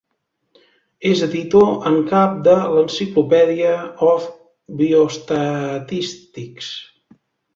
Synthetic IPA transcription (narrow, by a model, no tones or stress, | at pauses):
ezəðit̪oʔəŋkap̚d̪ələnsiklupɛðiəɔf | biust̪ət̪ist̪iks